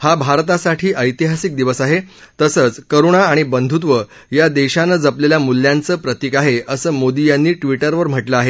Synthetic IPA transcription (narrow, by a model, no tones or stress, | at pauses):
habʱaɾt̪asaʈʰiːʔəjt̪iɦasik̚d̪iʋəsaɦe | t̪əsəːt͡skəɾuɽ̃aːɽ̃ibənd̪ʱut̪ʋə | jad̪eɕanəd͡zapleljamulːjãnt͡səːpɾət̪ikaɦeəsəːmod̪ijãnːiːʈʋiʈəɾʋəɾm̤əʈləaɦe